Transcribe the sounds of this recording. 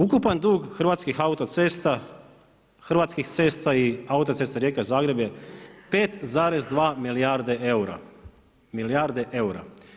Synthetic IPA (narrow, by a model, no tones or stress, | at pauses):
ukupand̪uːɡxr̩ʋaːt̪skixaut̪ot̪seːst̪a | xr̩ʋaːt̪skixt̪se̞ːst̪aiaut̪ot̪sest̪aɾjeːkazaːɡɾe̞bjepeːt̪zaːɾe̞zd̪ʋaːmilijaɾd̪eeuɾa̰ | milijaːɾd̪eʔeuɾa̰